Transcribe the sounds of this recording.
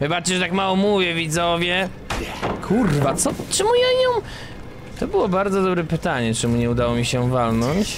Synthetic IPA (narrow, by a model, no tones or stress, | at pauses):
vɨbat͡ʂt͡ɕɛʐɛt̪akmawɔmuvʲjɛvʲid̪zɔvʲjɛ | kʰurvat̪sɔt͡ʂɨmujaɲɔw̃ | t̪ɔbɘwɔbaɾd̪zɔd̪ɔbɾɛpɘt̪aɲɛt͡ʂɛmuɲɛud̪awɔmʲiɕɛvalnɔɲt͡ɕ